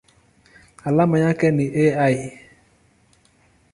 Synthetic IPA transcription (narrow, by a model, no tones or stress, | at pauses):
alamaɲakɛnɪʔeajɪ